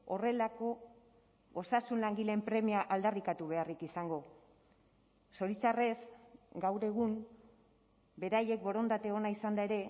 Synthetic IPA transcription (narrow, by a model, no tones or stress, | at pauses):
o̞̰re̞lako̞ | ɣo̞sasunlaŋɡilempɾe̞miaʔald̪arikat̪uβ̞e̞arikisaŋɡo̞ | so̞ɾit͡sare̞sɡawɾe̞ɣ̞uŋ | be̞ɾaje̞k̚bo̞ɾo̞nd̪at̪eo̞naisand̪ae̞ɾe̞